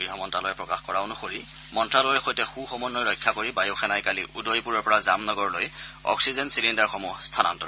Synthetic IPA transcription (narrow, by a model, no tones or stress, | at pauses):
ɡiɦɔmɔntɹalojɛpɹɔkaxkɔɹaʊnʊxoɹi | mɔntɹalɔjɛxojtɛxuxɔmɔnːɔjlɔjkʰːakoɹibajuxʰɛnajkaliʔudojpuɹɔɹpɔɹazamnɔɡɔɹlojɔ̰ksizɛnsilindaɹxɔmustʰana̰ntɔ̰ɹ